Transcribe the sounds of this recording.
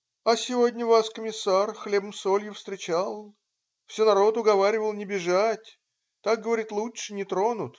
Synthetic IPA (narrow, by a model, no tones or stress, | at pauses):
ɐsʲɪvo̞dʲnʲəvaskəmʲɪsːarxlʲe̞bəmsolʲjɪfst̪ɾʲɪt͡ɕalˠ | fsʲenɐɾo̞t̪ʊɡɐvaɾʲɪvəlˠnʲɪbʲɪʐatʲ | t̪ak̚ɡəvɐɾʲit̪lˠutʂɨnʲɪt̪ɾo̞nʊt̪